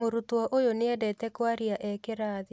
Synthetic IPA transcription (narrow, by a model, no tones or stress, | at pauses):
oɾutwɔʔojoneɛdɛtɛkwaɾiaʔɛkeɾaːði